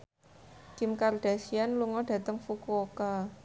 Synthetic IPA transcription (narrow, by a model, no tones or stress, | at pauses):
kɪmkard̥a̤sianluŋɔɖ̥ä̤t̪əŋfukoka